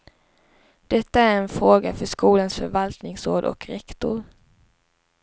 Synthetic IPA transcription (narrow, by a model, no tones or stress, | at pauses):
d̪̥ɛt̪ːaæɾɛnfɾoːɡafœʂkuːlansfœɾvalt̪nɪŋsoːd̪ɔ̰kɾɛkt̪ʊ̰ɾ